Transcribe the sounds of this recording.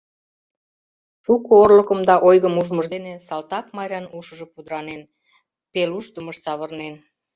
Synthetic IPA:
ʃukoorləkəmd̪ɑʔojɣəmuʒməʒd̪enesɑlt̪ɑkmɑɾʲɑnuʃəʒə̆pud̪əɾɑnen | peluʃt̪uməʃsɑβərnen

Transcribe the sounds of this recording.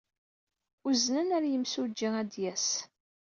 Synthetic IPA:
uznənæɾjəmsud͡ʒːiæd̪jæs

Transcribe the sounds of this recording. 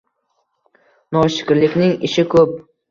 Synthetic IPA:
nɒʃɪ̥kʲɪɾlɪkʲnɪŋɪʃɪkʰɵp̚

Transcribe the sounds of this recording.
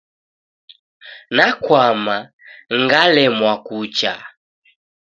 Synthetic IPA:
nakwama | ŋɡalɛmwakut͡ʃa̰

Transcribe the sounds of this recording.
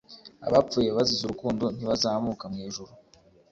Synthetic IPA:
a̰βap͡fuːje̞βazizuɾukuːndo̞n̥iβazaːmukamŋiːʒuɾu

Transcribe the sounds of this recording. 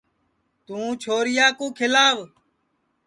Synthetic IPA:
t̪ũːt͡ʃʰoːɾɪjaːkũːkʰɪlaːʋ

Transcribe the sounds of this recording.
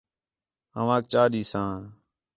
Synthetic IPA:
ə̰ʋãːk̚t͡ʃaːɗiːsãː

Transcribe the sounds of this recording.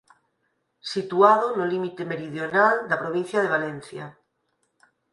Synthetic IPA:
sit̪uaðonolimit̪emeɾiðjonald̪apɾoβ̞in̟θjað̞eβ̞alẽn̟θja

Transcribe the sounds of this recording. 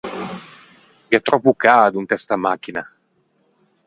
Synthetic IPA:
biat̪ɾɔpːukaːd̪unt̪ɛst̪amak̟ːina

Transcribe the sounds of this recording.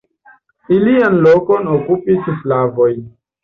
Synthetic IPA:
ilianlokonokupisflavojn

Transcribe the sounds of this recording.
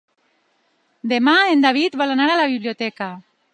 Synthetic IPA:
d̪emaend̪aβ̞it̪balanaɾalaβiβlijot̪ɛka

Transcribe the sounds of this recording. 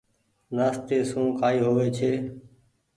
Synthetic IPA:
naːst̪eːsũːkʰaːiːɦoːʋeːt͡ʃʰeː

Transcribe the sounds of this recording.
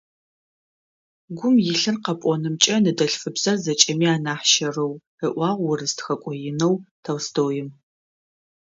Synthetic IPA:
ɡʷʊmjɪɬɨnqɐpʷʼɔnɨmt͡ʃʼɐnɨdɐɬfɨbz̥ɐrzɐt͡ʃʼɐmiːaːnaːħʃɐrɐw | ɨʔʷɑːʁʷːʊrɨstxɐkʷʼɔjɪnɐwtʰɐwstʰoːjɪm

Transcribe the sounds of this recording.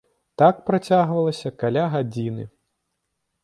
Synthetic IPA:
t̪akpɾat͡sʲaɣvɐlˠɐsʲɐkalʲaɣad͡zʲinɨ̰

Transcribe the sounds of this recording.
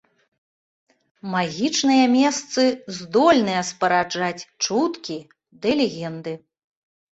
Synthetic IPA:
maɣʲit͡ʂnɨjɐmʲɛst̪sɨzd̪ɔlʲnɨjɐspɐɾad͡ʐat͡sʲt͡ʂut̪kʲi | d̪ɨlʲɛɣʲɛnd̪ɨ

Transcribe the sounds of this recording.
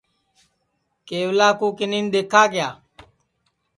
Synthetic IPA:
keːʋlaːkuːkɪniːnd̪eːkʰaːɡɪjaː

